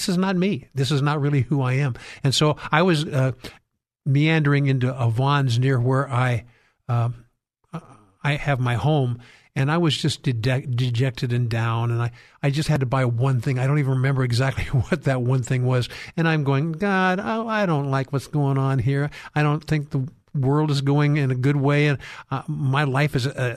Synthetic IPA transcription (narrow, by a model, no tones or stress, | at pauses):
sɨznət̚miðɪs̬ɨznət̚ɹɪlˠihuaɪɨ̃mɨ̃nsoʊaɪwʌzʌ | miæ̃ndə˞ɪ̃ŋɪ̃ntuəvɑ̃nznɪɹwə˞ʔaɪ | aɪɨvmaɪhõʊ̃m | ɨ̃naɪwʌzd͡ʒʌsd̥ɨd͡ʒɛdɨd͡ʒɛk̚tʰɨɾɨ̃ndãʊ̃nɨ̃naɪ | aɪd͡ʒʌst̚hɨd̚təbaɪəwʌ̃nθɪ̃ŋaɪɾõʊ̃ntivənɹɨmɛ̃mbə˞ɨɡzæk̚tʰˡliwʌt̪̚ðɨt̚wʌ̃nθɪ̃ŋwʌzɨ̃ɾ̃ãɪ̃mɡoʊɪ̃ŋɡɑɾa̰aɪɾõʊ̃nʔˡlaɪkwʌtsɡ̥oʊɪ̃ŋə̃nɦiɹaɪɾõʊ̃nθɪ̃ŋk̚ðə | wɜ˞lˠdəzɡoʊɪ̃ŋɨ̃nɨɡʊd̚weɪɨ̃nmaɪlaɪfɨzɨ